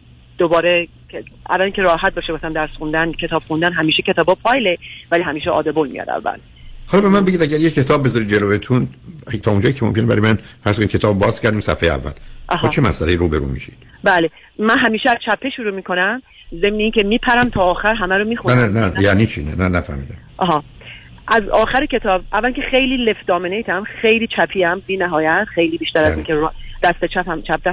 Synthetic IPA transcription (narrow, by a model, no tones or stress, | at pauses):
d̪̥obɒːɾe | kʰeʔæ̰væliːŋcʰʲeɾɒːɦæt̪̚bɒʃebɒsæmd̪æɾsxund̪æncʰe̞t̪ʰɒːb̥xund̪ænɦæmiːʃecʰet̪ɒːbɒːpʰɒjlevæliːhɦæmiːʃɛʔɒ̰ːd̪ebolmḭjɒ̰d̪æ̰vːæ̰l | hɒlɒbemænbeɟid̪æɟæɾjecʰːe̞t̪ʰɒːb̚ːe̞zɒɾid̪̚d͡ʒeloet̪ʰunt̪ʰɒːund͡ʒɒːjicʰemomkenebæ̰ɾɔjemænfæɾskʰonid̥̪̚cʰe̞t̪ɒːbbɒːz̥cʰæɾd̪iːmsæ̰fejeæ̰vːæ̰lʔɦbɒːt͡ʃʰemæ̰sʔælejiɾuːbe̞ɾṵːmḭʃid̪̥ | bæːle | mænɦæmiːʃeæz̥t͡ʃʰæpʰːe̞ʃuɾuːmiːkʰo̞næm | ze̞mneiːŋcʰemiːpʰæɾæmt̪ʰɒːxæɾɦæmæɾomiːxunnænæjæniːt͡ʃʰḭnæ̰nænæfæ̰ɾmḭːd̪æmʔɒːɦɒː | ʔæzɒːxæɾecʰe̞t̪ʰɒːbʔævːæliŋcʰexe̞jliːle̞fd̪ɒːmenejt̪ʰæmxejliːt͡ʃʰæpʰiːæmbiːnæɦɒːjæt̪xe̞jliːbiːʃt̪æɾæziːkʰed̪̥æst̪et͡ʃʰæpæmt͡ʃʰæp̚d̪æ